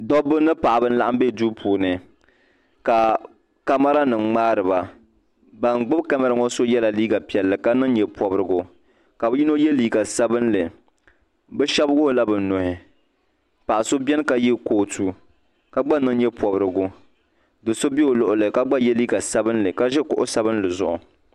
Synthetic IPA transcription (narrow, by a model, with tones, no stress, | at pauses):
dɔ˦bːɨ˦nɨ˦pa˨ʔa˨bɨ˦n̩˦la˦ʔa˦m˦be˦du˦pʰuː˨nɨ˨ | ka˨ | ka˦ma˦ɾa˦nɨ˨ŋ͡mŋ͡maː˦ɾɨ˨ba˨ | ba˨ŋɡ͡bɨ˦bka˦ma˦ɾɨ˨ŋɔ˦so˦jɛ˦la˨liː˦ɡa˨pi˨ɛ˨lːɨ˨ka˦nɨ˦ŋ˦ɲɛ˨pɔ˨bɾɨ˨ɡʊ˨ | ka˨bɨ˦ji˦no˦jɛ˦liː˦ɡa˨sa˦bɨ˦nlɨ˨ | bɨ˦ʃɛ˦bɡʊ˦hʊ˨la˦bɨ˨n˨no˨hɪ˨ | pa˨ʔa˨so˦bɛ˦n˦ka˦jɪ˦ko˨tʰu˦ | ka˦ɡ͡ba˦nɨ˦ŋ˦ɲɛ˦pɔ˨bɾɨ˨ɡʊ˦ | dɨ˨so˦bi˦o˨lʊ˨ʔʊ˨lɨ˨ka˦ɡ͡ba˦jɛ˦liː˦ɡa˨sa˦bɨ˦nlɨ˨ka˦ʒɛ˦kʊ˨ʔʊ˦sa˦bɨ˦n˦lɨ˨zʊ˦ʔʊ̰˨